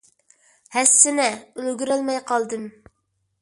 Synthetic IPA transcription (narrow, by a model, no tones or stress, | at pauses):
hɛsːɪnɛølɡʲyɾølmɛjqɑlˠd̪ɨm